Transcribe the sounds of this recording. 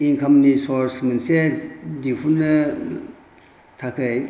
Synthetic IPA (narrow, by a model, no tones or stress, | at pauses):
iŋkʰɐmnisɔɾsmɐnsedipʰunɐ | tʰakʰɯj